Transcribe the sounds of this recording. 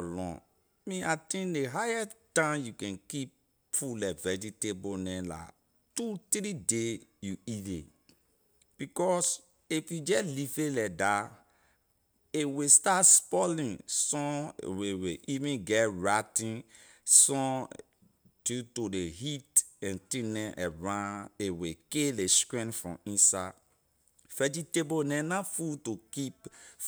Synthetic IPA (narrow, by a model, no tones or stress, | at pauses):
lɔ̰̃ | mĩatĩndeɦajɛttãmjukɛ̃nkip̚ | fulɛvɛd͡ʒitebonɛ̃la̰ | tut̪ɾidejuidḛ | b̥ikɔs | ifjud͡ʒɛlifelɛda | ewestatspɔlĩnsɔ̰̃weweʔivĩɡɛɹatĩn | sɔ̃ | d͡ʒutodeɦitɛ̃ntĩnɛ̃ʔɛɹãewekeleskɹĩnfɹɔ̰̃ĩnsa | fɛd͡ʒitebonɛ̃nãfutokip